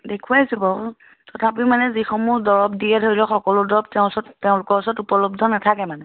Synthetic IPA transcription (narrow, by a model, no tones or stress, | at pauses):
dekʰuasibɔ | tɔtʰap̬imanɛzixɔmudɔɹɔbdiɛtʰojlɛxɔkɔlʊdɔɹɔb̚tɛʊ̃sɔttɛʊ̃lʊkɔɹɔsɔtupɔlɔb̚dʱɔnatʰakɛmanɛ